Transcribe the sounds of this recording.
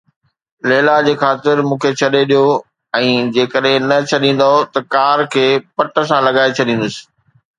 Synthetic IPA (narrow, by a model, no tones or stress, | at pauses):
leːlad͡ʑeːxaːt̪ɪɾmũːkʰet͡ɕʰɐɗeɗijo | ɛ̃ːd͡ʑeːkəɗɦɪ̃nɐt͡ɕʰɐɗĩːn̆d̪aɦot̪ɐkaːɾkʰeːpɐʈə̆sãlɐɡaːet͡ɕʰɐɗĩːnd̪ʊsɪ̥̆